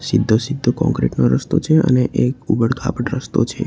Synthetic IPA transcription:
sid̪ʱːosid̪ʱːokɔ̰̃ŋkɾeʈnoɾəst̪ot͡ʃʰeə̰neʔekubəɽkʰa̰pəʈɾəst̪ot͡ʃʰe

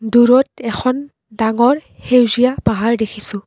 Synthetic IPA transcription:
duɹɔtɛxʰɔn | daŋɔɹhewzijabaɦaɹdekʰisʊ̃

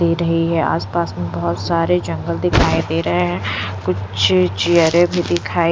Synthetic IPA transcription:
eːɾɐɦiɦɛa̰ːspaːsmẽbɐɦʊt̪saːɾed͡ʒɐ̃ŋɡəld̪ɪkʰaːid̪eːɾɐɦeɦɛ̃kʊt͡ʃt͡ʃijəɾẽbʱid̪ɪkʰaːi

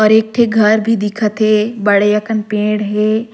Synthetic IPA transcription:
ɔːɾeːk̚ʈʰeɡʱɐɾbʱid̪ɪkʰət̪ɦebɐɽejɐkənpẽːɽɦeː

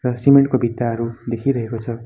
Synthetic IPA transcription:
rʌsimeɳʈ̚kobʱit̪ːaɦʌɾud̪ekʰiɾʌɦekot͡sʰʌ

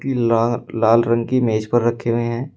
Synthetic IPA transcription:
ilaːlɾə̃ŋɡkimeːd͡ʒpəɾːɐkʰeɦʊẽɦɛ̃ː

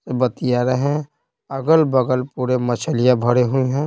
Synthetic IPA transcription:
sebət̪ijaɾeɦɛ̃ | ɐɡəlbəɡəlpuːɾemɐt͡ʃʰəlɪjãbʱəɽeɦʊeɦɛ̃ː

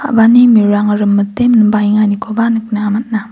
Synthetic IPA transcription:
a̰banimiɾaŋɐɾɯmːɐtemnbajŋanikʰobanɯk̚naamat̚na

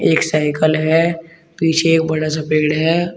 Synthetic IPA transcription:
eːksaːɪkəlɦɛ | piːt͡ʃʰeeːk̚bɐɽas̬apeːɽɦɛː

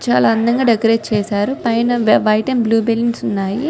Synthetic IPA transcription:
t͡ʃa̰ːlaːɐnd̪ɐŋɡaːɖɐɡɾeːt͡ʃɛːsaːɾupɐjnɐʋʋɐjʈenbluːbelːinsunːaːji

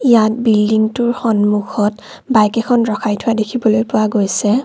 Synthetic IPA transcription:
ijat̚bildiŋtʊɹxɔnmukʰɔt | bajkɛkʰɔnɹɔkʰajtʰʊwadekʰibɔlojpʊwaɡojsɛ

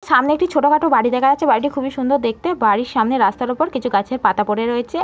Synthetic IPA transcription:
ʃamneek̚ʈit͡ɕʰoʈokaʈobaɽid̪ɛkʰaat͡ɕʰebaɽiʈ̬ikʰubiʃund̪oɾd̪ek̚ʰt̪ebaɽiɾʃamneɾast̪aɾopoɾkit͡ɕʰuɡat͡ɕʰeɾpat̪apoɽeɾoet͡ɕʰe

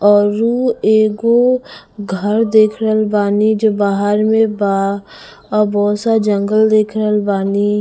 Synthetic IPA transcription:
ɔːɾueːɡo | ɡʱəɾd̪eːkʰɾlbaːnid͡ʒobaːɦəɾmẽba | ɔbɔːt̪sad͡ʒə̃ŋɡəld̪eːkʰɾəlbaːni

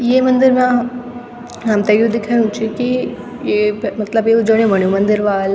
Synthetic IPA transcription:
jeːmɐ̃nd̪ɪɾmã | ɦɐmt̪ɐjud̪ɪkʰaɽ̃ũt͡ʃʰiki | jemɐt̪ləbjeud͡ʒəɽ̃ẽʋɐɳ̃jũmɐ̃nd̪ɪɾʋaːl

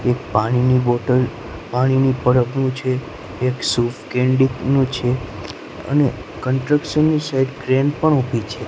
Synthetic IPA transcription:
ek̚paɽ̃iniboʈəl | paɽ̃inipəɾəbnũt͡ʃʰeː | ksufkẽɳɖiknũt͡ʃʰe | ə̰ne | kəɳʈɾəkʃənːisajɖkɾenpəɳupit͡ʃʰe

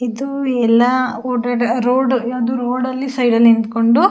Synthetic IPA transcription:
id̪uɛlːɐoːʈeʈɾoːɖaːd̪uːɾoːɖɐlːisɐjɖɐlːind̪koɳɖu

